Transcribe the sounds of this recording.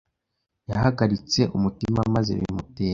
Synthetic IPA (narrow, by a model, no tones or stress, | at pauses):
jahaɡaɾit͡se̞ʔumutimamaze̞̰βḭmuteː